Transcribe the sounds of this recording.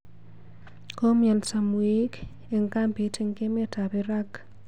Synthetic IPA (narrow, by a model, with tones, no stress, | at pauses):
ko˦mja˨nsa˨mwi˦k | e˨ŋka˦mpe˨tʰɪ˦ŋke˦me˦ta˨pɪ˦ɾa˦k